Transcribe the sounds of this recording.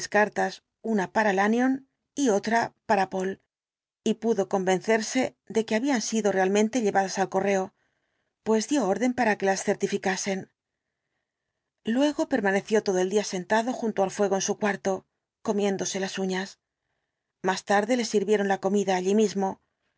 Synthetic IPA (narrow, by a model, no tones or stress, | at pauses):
skaɾt̪as | unapaɾalanjo̞n | io̞t̪ɾapaɾapo̞l | ipuðo̞ko̞mbẽ̞nθe̞ɾse̞ | ðe̞ke̞aβiansiðo̞re̞almẽnt̪e̞ʎe̞βaðasalko̞re̞o̞ | pwe̞zd̪jo̞oɾðe̞mpaɾake̞lasθe̞ɾt̪ifikase̞n | lwe̞ɣo̞pe̞ɾmane̞θjo̞t̪o̞ðo̞eld̪iase̞nt̪aðo̞xunt̪oalfwe̞ɣ̞o̞e̞nsukwaɾt̪o̞ | ko̞mje̞nd̪o̞se̞lasuɲas | mast̪aɾðe̞le̞siɾβje̞ɾo̞nlako̞miðaːʎimizmo̞